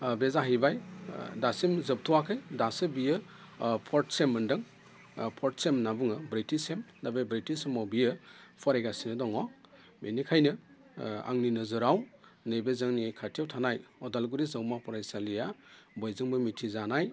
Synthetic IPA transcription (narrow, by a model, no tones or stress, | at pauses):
bezaɦijbajdasimzɯp̚tʰuwakʰɯjdasɯbijɯ | pʰɔɾt̚semːɯndɯŋ | pʰɔɾt̚semnabɯŋɯbɾitisemnabejbɾitisemawbijɯpʰɔɾajɡasinɯdɔŋɔ | benikʰajnɯ | a̰ŋninɯzɯɾawnebezɯŋnikʰatʰijawtʰanajɔdalɡuɾizawmapʰɔɾajsalijabɔjzɯŋbɯmitʰizanaj